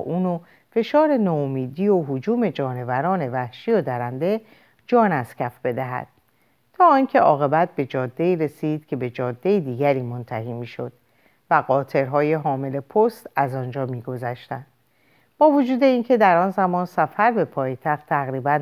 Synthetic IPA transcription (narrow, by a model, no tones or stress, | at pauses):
ʔuːno | fe̞ʃɒːɾe̞nɒːomiːd̪iːoɦod͡ʒuːme̞d͡ʒɒːne̞væɾɒːne̞væhʃiːod̪æɾænd̪e̞ | d͡ʒɒːnæscʰæfbe̞d̪æɦæ̰d̪̥̚ | t̪ʰɒːiŋcʰe̞ʔɒːɣe̞bæt̪̚be̞d͡ʒɒːd̪ːe̞iːɾe̞siːd̪̥̚cʲʰe̞be̞d͡ʒɒːd̪ːe̞id̪iːɡæɾiːmo̞nt̪ʰæhiːmiːʃo̞̰d̪̥̚ | væɣɒːt̪ʰe̞ɾɦɒːje̞ɦɒːme̞le̞pʰost̪æzɒnd͡ʒɒːmiːɡo̞zæʃt̪ænd̪̥ | b̥ɒːvo̞d͡ʒuːd̪e̞iŋcʰe̞d̪æɾɒːnzæmɒːnsæfæɾbe̞pʰɒːjet̪ʰæxt̪ʰːæɣɾiːbæn